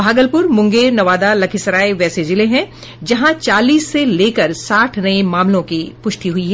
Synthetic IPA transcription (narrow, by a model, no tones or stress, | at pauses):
bʱaːɡəlpʊɾmʊ̃ŋɡeːɾnɐʋaːd̪alɐkʰɪsɾaːeʋɛːsed͡ʒɪleɦɛ̃ | d͡ʒɐɦãt͡ʃaːliːsːeleːkəɾsaːʈʰnɐemaːmlõkipʊʃʈ̪iɦʊiɦɛː